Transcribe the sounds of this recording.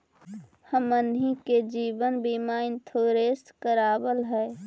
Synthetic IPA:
həmənɦiked͡ʒiːbənbiːmaɪ̃nt̪ʰoːɾeːskəɾaːbəlɦɛː

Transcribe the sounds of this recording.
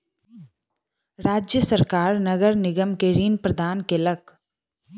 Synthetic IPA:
ɾaːd͡ʒjəsəɾkaːɾnɐɡəɾnɪɡəmkeɾiːnpɾəd̪ʱaːnkelək

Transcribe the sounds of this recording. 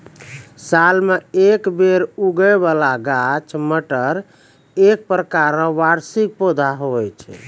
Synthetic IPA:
salmeekbeɾuɡəβalaɡat͡ʃʰməʈəɾ | ek̚pɾəkaɾə̃ʋaɾsik̚pod̪ʱaɦoɛt͡ʃʰɛ̰

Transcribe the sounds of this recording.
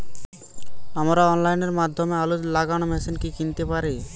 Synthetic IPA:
amɾaɔnlajneɾmad̪ʱːomealolaɡañomɛsʰenkikint̪epaɾe

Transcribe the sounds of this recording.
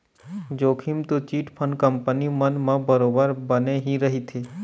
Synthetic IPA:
d͡ʒoːkʰimt̪ot͡ʃiːʈpʰənkəmpənimənmãbəɾoːbəɾbəneɦiɾɐɦit̪ʰeː

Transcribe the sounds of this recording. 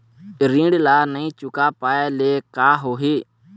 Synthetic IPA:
ɾĩːɖlaːnəĩːt͡ʃʊkaːpaːeːleːkaːɦoːɦeː

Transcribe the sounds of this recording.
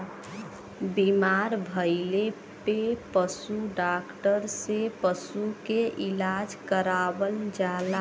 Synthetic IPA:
bimaɾbʱəɪle | pepəsuɖakʈəɾsepəsukeʔilad͡ʒkəɾabəld͡ʒala

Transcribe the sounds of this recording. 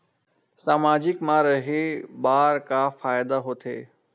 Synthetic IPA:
saːmaːd͡ʑɪkmãɾɐɦeɓaːɾkaːfaːɪd̪aɦot̪ʰḛː

